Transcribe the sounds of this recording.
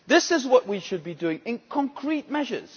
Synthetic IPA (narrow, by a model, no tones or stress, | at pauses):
ðɪsɪzwʌʔ̚wiʃɨd̚bidʉɪ̃ŋɪ̃nkʰɔ̃ŋkʰɹit̚mɛʒə̰˞z̥